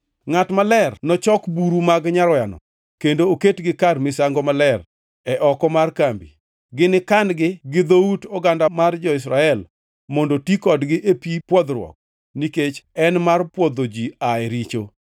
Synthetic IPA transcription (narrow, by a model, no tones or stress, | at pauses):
ŋatmalɛrnɔt͡ʃɔkbuɾumaɡɲaɾɔjanɔ̰ | kendooketɡɪkarmɪsaŋɡɔmalɛr | ɛʔɔkɔmarkambḭ | ɡɪnɪkandɡɪɡɪd̪outɔɡandamard͡ʒɔɪs̬ɾaɛl | mɔndotikɔdɡɪʔepipwɔd̪ɾwɔ̰k̚ | niket͡ʃɛnmarpwɔd̪od͡ʒiaɛɾit͡ʃo